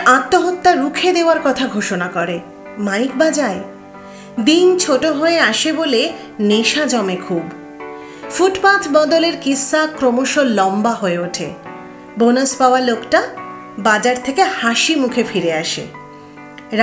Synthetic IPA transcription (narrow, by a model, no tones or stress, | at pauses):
at̪ːoɦot̪ːaɾukʰed̪eoaɾkɔt̪ʰaɡʱoʃonakɔɾe | maik̚bad͡ʑae | d̪int͡ɕʰoʈoɦoeaʃebole | neʃad͡ʑɔmekʰub | fuʈpat̪ʰbɔd̪oleɾkisːakɾomoʃolɔmbaɦoeoʈʰe | bonospaoalokʈa | bad͡ʑaɾt̪ʰekehaʃimukʰefiɾeaʃḛ | ɾ